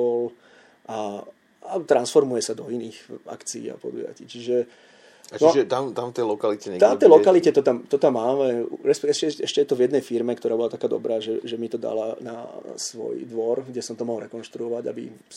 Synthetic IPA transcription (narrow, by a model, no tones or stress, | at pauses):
ɔl | ʔa | at̪ɾansfɔɾmujɛsad̪ɔiniːɣa̰kt͡siḭːa̰pɔ̰d̪ṵja̰ciːt͡ʃiʒɛ | at͡ʃnɔʒɛt̪amt̪amft̪ɛlɔkalicɛɲɛɡt̪at̪ːɛjlɔkalicɛt̪ɔt̪amt̪ɔt̪amːaːmɛuɾɛspɛɛʃcɛɛʃcɛjɛt̪ɔvjɛd̪nɛjfiɾmɛkt̪ɔɾaːbɔlat̪akaːd̪ɔ̰bɾaːʒɛʒɛmit̪ɔd̪a̰lana̰sʋɔ̰jd̪ʋɔɾɡɟɛsɔmt̪ɔmɔɦɔlɾɛkɔnʃt̪ɾuɔʋaɟa̰bḭ